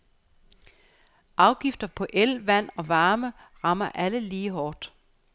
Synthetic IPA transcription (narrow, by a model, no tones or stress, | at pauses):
ʔɑ̈ʊɡ̥ifd̥ɐpʰɒ̽ʔelʋæn̰ɒ̽ʋɑ̈ːmə | ʁɑ̈mɐʔæləliːɦɒːd̥